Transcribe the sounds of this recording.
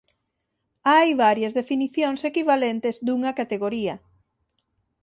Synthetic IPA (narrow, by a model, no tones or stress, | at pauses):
ajβaɾjɐzðefiniθjoŋsekiβalent̪ezd̪uŋɐkat̪eɣoɾiɐ